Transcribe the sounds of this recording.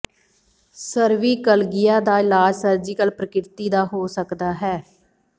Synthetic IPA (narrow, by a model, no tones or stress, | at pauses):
səɾʋiːkəlɡɪjaːd̪aːɪlaːd͡ʒsəɾd͡ʒiːkəlpɾəkɪɾt̪iːd̪aːɦoːsəkd̪aːɦɛː